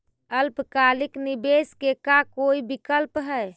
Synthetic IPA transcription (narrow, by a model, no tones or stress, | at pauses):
əlpkaliknibeskekakoibikəlpɦɛ